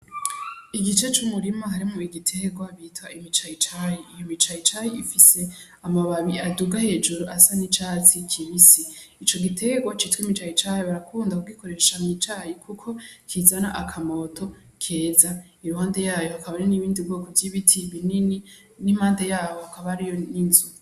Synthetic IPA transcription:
iɡit͡ʃe̞t͡ʃumuɾimahaɾimuiɡitʰe̞ɡwaβiːtwaʔimit͡ʃajit͡ʃajiːjomit͡ʃajit͡ʃajiʔifise̞ | amaβaβiaduɡahe̞ːd͡ʒuɾuʔasanit͡ʃaːt͡sikʰiβisi | it͡ʃo̞ɡitʰe̞ɡwat͡ʃiːtwimit͡ʃajit͡ʃajiβaɾakʰuːndakuɡiko̞ɾe̞ʃamit͡ʃaːjikʰukʰo̞kʰizanaʔakʰamo̞tʰo̞ | kʰe̞ːza | iɾuhaːnde̞jaːjo̞hakʰaβaneniβiːndibɡoːkovjiβitʰiβinini | nimaːnde̞jaːwohakaβaɾijoninzu

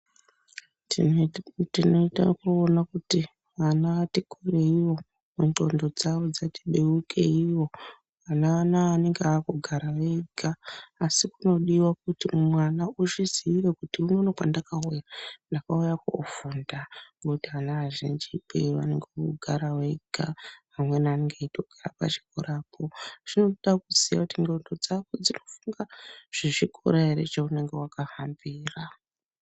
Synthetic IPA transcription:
tino̞ita̰kuːnakuti | ʋanaʋatikʰure̞iwo̞ | munto̞ndo̞d͡zaʋo̞d͡zatiɓeukʰe̞iwo̞ | ʋanaanaːne̞ŋɡeakuɡʱaɾaweɡʱaːsikuno̞ɗiwak̚utimwanauʃiziiɾekutiunonokandakaujandakaujakofundaɡotianaaʒind͡ʒipḛʋa̰neŋɡekuɡʱaɾaweiɡʱa | amwe̞naneŋɡeitʰokʰera̰pa̰t͡ʃi̥koɾaːpʰo̞ʐ̥ino̞ɗakuzija̰kutiŋɡondod͡zakod͡zino̞fuŋɡaʐ̥eʐikʰo̰ɾaeɾe̞̰t͡ʃaune̞ŋɡe̞wakahambiːra

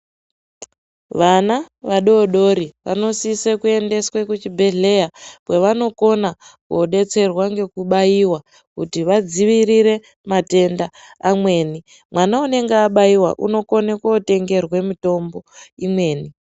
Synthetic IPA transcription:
ʋana | ʋaɗo̞ɗo̞ɾiʋa̰no̞sisekue̞nde̞swekut͡ʃibʱe̞ɮe̞japwe̞ʋano̞ko̞nakuɗe̞t͡se̞rwaŋɡe̞kuɓajiwa | kutiʋad͡ziʋiriɾe̞ | mate̞ndaːmwe̞ːni | mwʔanaune̞ŋɡeaɓajiwa̰ʔuno̞ko̞nekote̞ŋɡe̞rwe̞mito̞mbo̞imwe̞ːni

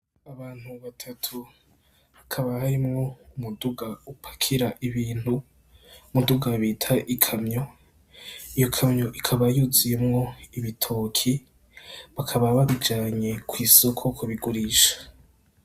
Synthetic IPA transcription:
aβaːn̥huβatʰatʰu | βakʰaβahaɾimŋo̞umuduɡaupʰḁkʰiɾaʔiβiːnhu | muduɡaβitʰaʔikʰamɲo̞ | ijo̞kʰamɲoʔikʰaβajuzijemŋo̞iβitʰoːkʰi | βakʰaβaβaβid͡ʒaːɲe̞kʰwiːsokʰokʰoβiɡuɾiːʃḁ

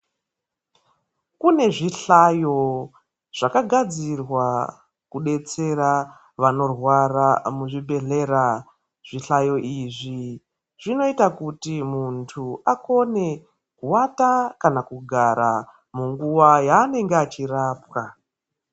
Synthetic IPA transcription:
kune̞ʐiɬajo̞ | ʐ̥akaɡʱad͡zirwa | kuɗe̞t͡se̞ra | ʋano̞rwaramuʐibʱe̞ɮe̞ɾa | ʐ̥iɬajo̞ʔiʐi | ʐ̥ino̞itakutimuntʰuako̞ne̞ | kuwatakanakuɡʱaɾa | muŋɡuwajaːne̞ŋɡeat͡ʃiraːp̚wa

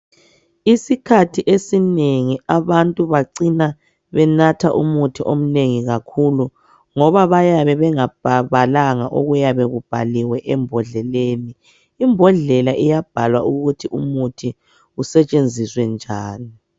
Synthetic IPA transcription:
isikʰatʰiʔesineŋiaβantʼuβaǀina | βɛnatʰaʔumutʰiʔom̩neŋiɣakʰulu | ŋɔβaβajaβɛβɛŋab̥ʱaβalaŋaʔoɣujaβɛɣub̥ʱaliwɛʔɛmbʱɔɮɛleːniː | mbʱɔɮɛlaʔɛjab̥ʱalwaʔuɣutʰiʔumutʰi | usɛt͡ʃʼend͡zʱiswɛnd͡ʒʱaːni

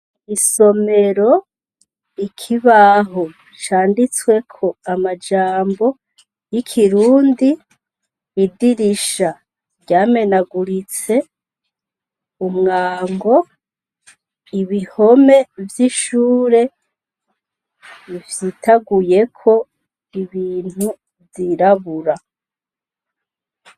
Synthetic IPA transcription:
iso̞me̞ɾo̞ | ikʰiβaɦo | t͡ʃaːndit͡swe̞kʰo̞amad͡ʒaːmbo̞ | jikʰiɾuːndiː | diɾiʃa | ɾɟaːme̞naɡuɾit͡se̞ | umŋaːŋɡo̞ | iβiho̞me̞vjiʃuːɾe̞ | ivjitʰaɡuje̞kʰo̞ | iβiːn̥hu | viɾaβuɾa

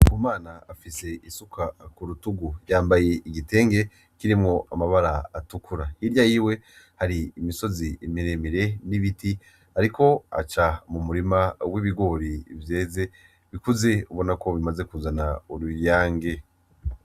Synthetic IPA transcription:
kumaːnaːfise̞isukʰakuɾutuɡujaːmbaje̞iɡite̞ːŋɡe̞ | kiɾimŋo̞ʔamaβaɾaatukʰuɾahiɾjajiwe̞ | haɾiːmiso̞ziːmiɾemiɾe̞niβiti | haɾikʰo̞a̰t͡ʃamumuɾimawiβiɡo̞ːɾivje̞ːze̞ | βikuze̞uβo̞nako̞βimaze̞kuzanauɾujaːŋɡe̞

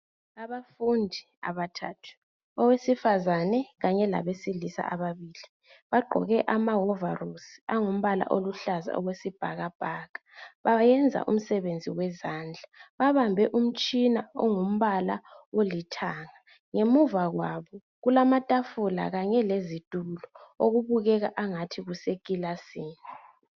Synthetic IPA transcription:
aβafundʱi | a̰βatʰa̰ːtʰu̥ | ɔwesifazanɛɣaɲɛla̰βesilisa̰ʔaβaβiːli | βaɡ͡ǃʱɔ̰ɣɛʔamaɦɔvarusaŋum̩βala̰ʔoluɬaza̰ɔ̰ɣwesib̥ʱaɣab̥ʱaːɣḁβajɛnd͡zʱa̰ʔṵm̩sɛβend͡zʱiwɛzaːnd͡ɮʱaβaβambʱɛʔum̩t͡ʃʼinaɔŋum̩βalaolitʰaːŋa | ŋemuvaɣwaβɔ | ɣulamatʼafula̰ɣaɲɛlezitʼulɔoɣuβuɣɛɣaʔaŋatʰiɣusekʼilasiːni

